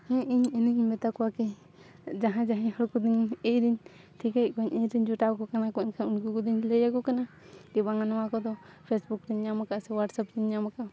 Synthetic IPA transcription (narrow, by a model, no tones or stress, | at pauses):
hɛ̃ʔiɲiniɡiɲmɛt̪akɔwakɛ | d͡ʒaɦãd͡ʒaɦãɲhɔɽkud̪iɲejɾiɲ | t̪ʰikekɔɲiɲɾiɲd͡ʒuʈakɔkanakɔɛnkʰanunɡukɔd̪iɲlɛjaɡɔkana | d̪ibaŋanɔwakɔd̪ɔpʰesbukɾiɲːamakaʔsɛwaʈsap̚ɾiɲɲamaka